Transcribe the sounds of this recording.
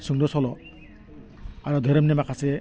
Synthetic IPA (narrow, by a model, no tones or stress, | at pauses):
suŋdɔsɔlɔ | aɾɔd̪ʱɔɾɔmnemakʰase